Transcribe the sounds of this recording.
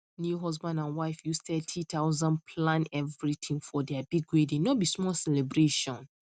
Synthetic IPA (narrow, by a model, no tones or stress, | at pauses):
njuɦɔzbãndãnwaɪfjustɛtʰit̪ʰaʊzãnpʰlãnɛvɹit̪ʰĩŋfɔdɛabiɡwedĩnnobismɔlsɛlɛbɹeʃɔ̃n